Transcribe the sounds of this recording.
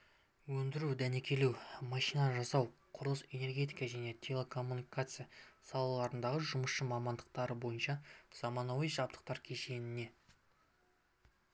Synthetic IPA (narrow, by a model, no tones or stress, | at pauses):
wɵnd̪ɪɾuwd̪æne̞kʲʰe̞luwmɑʃijnɑʒɑsɑwqʰʊɾəlˠəse̞ne̞rɡʲe̞t̪̬ʲikɑʒæne̞t̪ʲʰe̞lʲˠekʰo̞mːunikat̪sɨjasɑlˠɑlˠɑɾənd̪ɑʁəʒʊməsʃəmɑmɑnd̪əq̚t̪ɑɾəbo̞jənʃɑz̥ɑmɑnɑwijʒɑp̚t̪ə̥q̚t̪ɑɾkʲʰe̞ʃe̞nɪne̞